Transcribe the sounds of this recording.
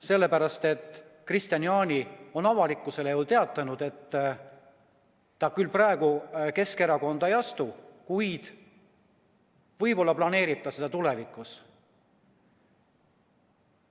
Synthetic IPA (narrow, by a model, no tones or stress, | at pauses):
se̞lːe̞pæɾɑst̪e̞t̪ːˑ | krist̪jɑniɑːnʲio̞nɑvɑlikːˑuse̞leolt̪e̞ɑt̪ːˑɑnud̪̥e̞t̪ː | ɑkylːprɑe̞ɡ̥uke̞ske̞ɾɑko̞nd̪̥ɑejɑst̪ukujd̪̥ | vɤjpo̞lːɑplɑne̞ːɾib̥̚t̪ɑse̞d̪̥ɑt̪ule̞vikːˑus